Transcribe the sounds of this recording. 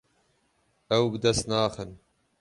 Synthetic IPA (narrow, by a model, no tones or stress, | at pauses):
ɐwbd̪ɐst̪naːxən